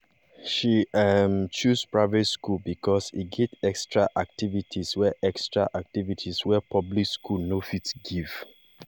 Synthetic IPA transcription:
ʃiamt͡ʃuspɹaɪvɛtskulbikʰɔsḭɡɛtɛkstɹaʔak̚tivitʰiswɛʔɛkstɹaʔak̚tivitʰiswɛpʰɔblikskʰulnofitsɡiv̥

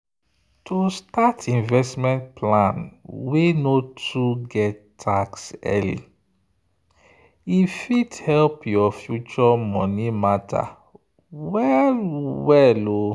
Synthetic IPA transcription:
tʰustatʰĩnvɛstmɛ̃nt̚pʰlãnwenotʰuɡɛtːʰ | aksɛ̰lḭ | ifidhɛlpjɔfjut͡ʃɔmɔnimatʰa̰ | wɛlwɛlo

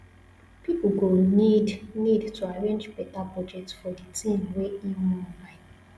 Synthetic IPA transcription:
piplɡonidnidtʰuaɾẽnd͡ʒpetabɔd͡ʒetfɔditʰĩnweimulaɪ

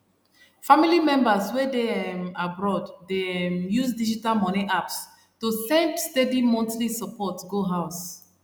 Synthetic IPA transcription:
familimɛ̃mbaswɛdemabɹɔddemjuzdid͡ʒitalmɔnĩʔaps | tusɛ̃ndstɛdimɔ̃ntlisəpɔtɡoɦaʊs

